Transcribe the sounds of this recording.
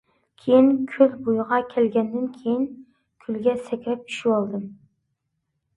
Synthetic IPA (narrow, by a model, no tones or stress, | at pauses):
kʲʰejinkʲʰylbujʁɑkʲʰɛlɡʲɛnd̪ɪnkʲʰejin | kʲʰylɡʲɛsɛkʲɾɛp̚i̥ʃiwɑlˠd̪ɨm